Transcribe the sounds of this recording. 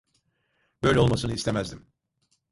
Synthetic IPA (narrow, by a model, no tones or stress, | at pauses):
bø̞jlʲɛo̞lˠmasɯnɯist̪ʰe̞mæzd̪im